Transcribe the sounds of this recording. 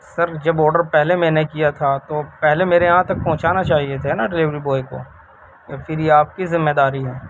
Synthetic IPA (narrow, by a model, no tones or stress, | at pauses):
sɐɾd͡ʒɐbɔːɾɖəɾpɛɦlemɛ̃ːnekijat̪ʰat̪oːpɛɦlemeːɾejɐɦãt̪ɐk̚pɔ̃ɦʊ̃t͡ʃaːnat͡ʃaːɦiet̪ʰeɦnaɖɪlɪʋɾiboːeko̰ː | jafʰɪɾjeaːp̚kizɪmːed̪aːɾiɦɛː